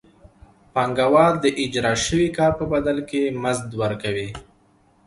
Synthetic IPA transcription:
paŋɡawɑɾd̪əʔɪd͡ʒɾɑʃəwikɑɾpəbad̪alkemazd̪wəɾkawi

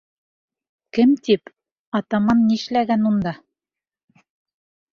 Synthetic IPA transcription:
kɘmt̪ip | ɑt̪ɑmɑnːiʃlæɡænund̪ɑ

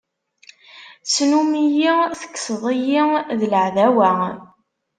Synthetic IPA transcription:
t͡sːnumijiθə̥kːsðˤijiðələʕðæwæ

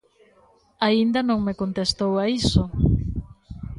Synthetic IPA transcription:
aind̪ɐnõŋmekont̪est̪owaiso

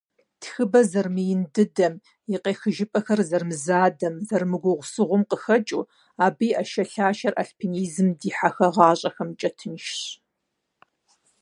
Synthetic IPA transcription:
txɨbɐzɐrmɨjɪndɨdɐm | jiqeːxɨʒɪpʼɐxɐrzɐrmɨzaːdɐmzɐrmɨɡʷʊʁʷsɨʁʷʊmqəxɐt͡ʃʼuː | aːbiːʔɐʃɐɬaːʃɐrʔɐ̰ɬpʰiniːzɨmdiːħaxɐʁɑːɕʼɐxɐmt͡ʃʼɐtʰɨnʃɕ

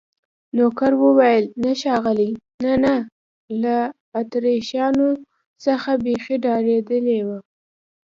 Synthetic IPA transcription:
nokaɾwəwajəlnaʃɑɣəlinana | laː | t̪ɾeʃɑno | səxabexeɖɑɾed̪əlewa

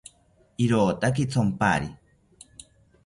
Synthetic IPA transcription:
iɾoːt̪ak̬it͡sʰompaɾi

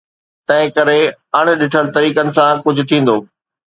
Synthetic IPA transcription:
t̪ɐ̃ɦɪ̃kɐɾeɐɽ̃̆ɗɪʈʰəlt̪ɐɾiːkənɪ̆sãkʊd͡ʑʱʊ̆t̪ʰĩːn̆d̪oː

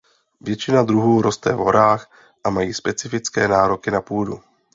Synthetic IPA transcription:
vjɛt͡ʃɪnad̪ɾuɦuːɾost̪ɛ̰vɦo̞ɾaːx | ʔamajiːspɛt͡sɪfɪt͡skɛːnaːɾo̞kɪnapuːdṵ

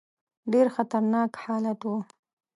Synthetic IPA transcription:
ɖeɾxat̪aɾnɑkħɑlat̪wu

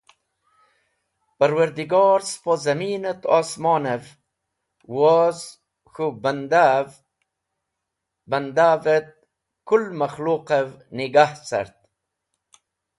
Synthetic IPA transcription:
pəɾwɐɾd̪iɡɑːɾspozɐmiːnət̪ɔːsmɑːnev | woz | xubnd̪ | bɐnd̪avet̪̚ | kulmaxluːqəvniɡaht͡sa̰ɾt̪̚

